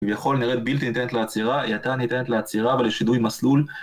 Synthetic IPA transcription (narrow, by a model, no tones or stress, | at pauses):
vjaχo̞lniʁet̪̚bilt̪init̪enet̪leat͡siʁaḭat̪anit̪enet̪leat͡siʁaveleʃidujmaslul